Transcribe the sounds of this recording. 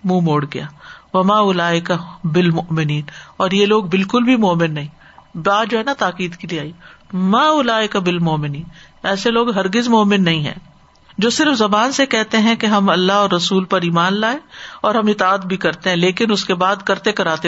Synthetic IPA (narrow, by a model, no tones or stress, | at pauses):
mũːmoːɽɡɐjaːʋɐmaːʊlaːɪkabɪlmʊʔmɪniːnɔːɾjeloːɡbɪlkʊlbʱimɔːmɪnːɐɦĩː | baːd̪d͡ʒoːɦɛːnat̪aːkiːd̪kelieaːimaːʊlaːɪkabɪlmɔːmɪniːnɛːseloːɡɦɐɾɡɪzmoːmɪnːɐɦĩɦɛ̰̃ː | d͡ʒoːsɪɾfzɐbaːnsekɛɦt̪eɦɛ̃keɦɐmɐlːaɦɔːɾːɐsuːlpɐɾiːmaːnlaːẽɔːɾɦɐ̃mɪt̪aːt̪̚bʱikɐɾt̪eɦɛ̃leːkɪnʊskebaːd̪kɐɾt̪ekɐɾaːt̪e